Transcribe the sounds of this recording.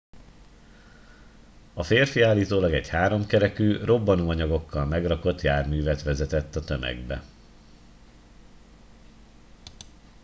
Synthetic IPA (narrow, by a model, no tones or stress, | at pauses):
ɒfeːrfiaːlːiːt̪oːlɒɡɛɟhaːɾo̞mkɛɾɛkyːrʔo̞bːɒnuːɒɲɒɡo̞kːɒlmɛɡrɒko̞t̪jaːrmyːvɛt̪ʋɛzɛt̪ɛt̪ːɒt̪ømɛ̰ɡbɛ̰